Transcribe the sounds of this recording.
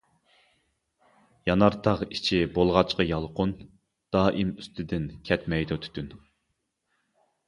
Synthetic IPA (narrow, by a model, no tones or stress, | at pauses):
jɑnɑɾt̪ʰɑʁit͡ʃʰibolˠʁɑt͡ʃqɑjɑlˠqʊn | d̪̥ɑːʔimyst̪ʰɪd̪ɪnkʲʰɛt̪mɛjd̪ut̪ʰy̥t̪ʰyn